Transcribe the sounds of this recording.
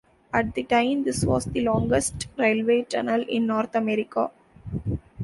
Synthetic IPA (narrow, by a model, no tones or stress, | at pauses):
æʈ̚d̪iʈãɪ̃md̪ɪsʋɔ̰ːsd̪ilɔ̃ːŋɡəsʈɾeːlʋeːt͡ʃɛnəlɪ̃nːɔːɾt̪ʰɐmɛɾɪka̰ː